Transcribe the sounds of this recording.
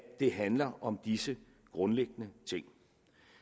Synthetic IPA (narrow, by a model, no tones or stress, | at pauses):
d̥e̝ɦænlɐʔɒ̽md̥isə | ɡ̥ʁɔ̽nleɡ̥ənət͡sʰe̝ŋ̰